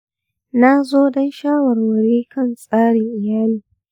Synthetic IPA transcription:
na˦zoː˦dɐ˦nʃaː˦wɐ˨rwɐ˨ɽiː˦kɐ˦˨nsʼaː˦ɽɪ˨ŋʔɪ˨jaː˦liː˨

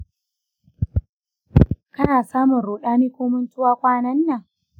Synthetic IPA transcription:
kɐ˦naː˨saː˦mʊ˨nɾoː˨ɗaː˦miː˦kʷoː˦mʊ˦ntʊ˦waː˦kʷʼaː˦nɐ˦nːa˨

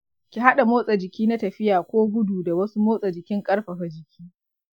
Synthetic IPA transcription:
kʲi˨ɦa˦ɗa˨moː˦sʼa˨d͡ʒɪ˨kʲiː˦na˦tɐ˨ɸɪ˦jaː˨kʷoː˦ɡʷʊ˦duː˨da˨wɐ˦su˦moː˦sʼa˨d͡ʒɪ˨kʲɪ˦ŋkʼɐ˦ɽɸɐ˨ɸɐ˨d͡ʒɪ˨kʲʰiː˦

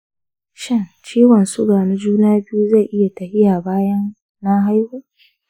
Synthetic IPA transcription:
ʃɪ˦nt͡ʃiː˦wɐ˨nsʊ˦ɡaː˨nu˦d͡ʒuː˦naː˦bɪ˦ju˦za˦˨ʔɪ˦ja˨tɐ˨ɸɪ˦ja˨baː˦jɐ˦n | na˦ɦa˦jhuː˦

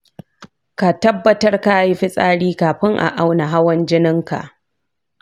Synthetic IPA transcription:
ka˨tɐ˦bːɐ˨tɐ˦rka˦ji˦ɸɪ˦sʼaː˦ɽiː˦kaː˨ɸɪ˦ŋʔa̰˨ʔa˦wna˨ɦa˦wɐ˦nd͡ʒɪ˦nɪ˦ŋka̰˨ʔ

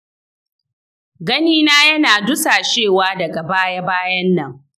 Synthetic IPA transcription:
ɡɐ˦niː˦naː˦jɐ˦naː˨dʊ˦saː˨ʃeː˦˨waː˦dɐ˨ɡa˨baː˦ja˦baː˦jɐ˦nːɐ˦˨ŋ

